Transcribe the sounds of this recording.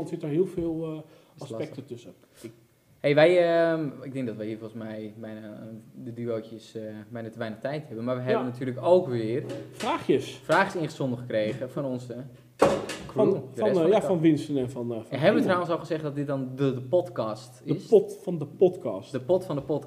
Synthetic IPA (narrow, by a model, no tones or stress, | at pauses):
ɔntsɪtɔxhiəlˠfɪːlˠ | asɛk̚tətøsə | hejʋɛjəmɪɡ̚dɪ̃ŋk̚dɔtʋəhiːfolˠəsmɛjbɛjnadədyoːtjəsbɛjnatəʋɛjnəχtɛjthɛbənmarʋəɦɛbənatʰyːrləkowkʋɪərfraːxjəsfraːxjəsɪnχəsondəχəkreːɣəfɔnɔnsə | knnjafɔnʋɪnsənɛnfɔnɦɛbənʋətrawənsoχəzɛχtdɔt̚dɪt̚dɔndədəpɔtkɔstɪsfɔndəpɔtkɑsdəpɔtfɔndəpɔt